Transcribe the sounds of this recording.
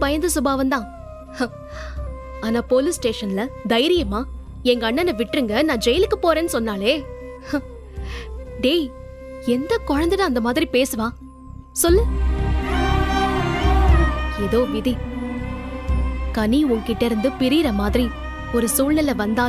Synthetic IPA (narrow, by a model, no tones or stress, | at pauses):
pɐjɐnd̪ɐsʊbaːʋɐnd̪ãː | aːnaːpoːlɪsʈeːʂɐnlɐd̪ɐjɪɾɪjɐmaː | ɛŋɡɐːɳːɐnɐʋɪʈːɾɯŋɡɐnãːd͡ʒɛjlɯkːɯpoːɾeːnːɯsɔnːaːleː | ɖeː | ɛnd̪ɐkɔɻɐnd̪ɐðãɐnd̪ɐmaːðɪɾipeːsɯʋãː | sɔlːɯ | ɛðoːʋɪði | kɐniʊŋkɪʈːɐɾɯnd̪ɯpɪɾiːɾɐmaːðɪɾi | ɔɾɯsuːlnɐlɐʋɐnd̪aː